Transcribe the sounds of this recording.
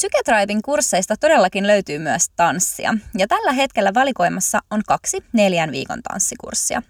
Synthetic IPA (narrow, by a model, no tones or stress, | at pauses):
syket̪rɑjʋiŋkursːe̞jst̪ɑt̪o̞de̞lːɑkinlø̞ɥt̪yːmyæst̪ɑnsːḭɑ̰jɑt̪ælːæɦe̞t̪ke̞lːæʋɑliko̞jmɑsːɑʔoŋkɑksine̞ljænʋḭːkont̪ɑ̰nsːikṵrsːiɑ̰